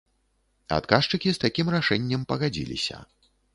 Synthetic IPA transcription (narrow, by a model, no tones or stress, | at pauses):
a̰t̪kaʂt͡ʂɨkʲist̪akʲimraʂɛnʲːɐmpɐɣad͡zʲḭlʲḭsʲɐ̰